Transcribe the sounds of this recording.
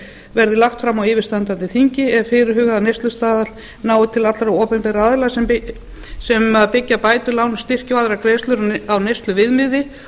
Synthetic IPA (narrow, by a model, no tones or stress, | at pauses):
vɛɾðɪlaxt̪fɾamːawɪːvɪɾst̪ant̪ant̪ɪθiɲcɪɛvfɪːɾɪɾ̥ɦʏːɣaðanejst̪lʏst̪aːðal | naːwʏt̪ʰɪlat̪laɾaɔːpɛnpɛɾaːðɪlasɛm | sɛmaðpɪcːapaːjt̪ʏlaːwnst̪ɪr̥cɪvaːðɾakɾeːst̪lʏɾawnejst̪lʏvɪðmɪðɪ